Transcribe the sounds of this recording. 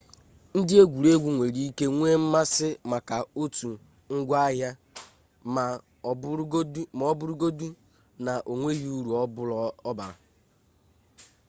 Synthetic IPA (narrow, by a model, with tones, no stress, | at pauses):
n̩˦dɪ˦e˦ɡʷu˨ɾe˦ɡʷu˦ŋʷe˨ɾi˦i˦ke˦ŋʷe˦m̩˦ma˦sɪ˦ma˨ka˨o˦tu˨ | ŋ̩˦ɡʷa˦ɦja˦ | ma˨˦ | ɔ˦bʊ˦ɾu˦ɡo˦du˦ | na˨ʔo˨ŋʷe˦ɣi˦u˦ɾu˨ɔ˦bɔ˦ba˨ɾa̰˨